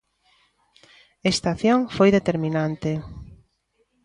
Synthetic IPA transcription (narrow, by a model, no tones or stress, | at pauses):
est̪aθjoŋfojðet̪eɾminant̪e